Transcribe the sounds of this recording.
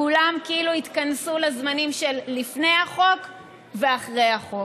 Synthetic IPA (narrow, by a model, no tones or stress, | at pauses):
ulamkiiluit̪kansulazmanimʃelːifne̞jaχo̞k | veaχʁe̞jhaχo̞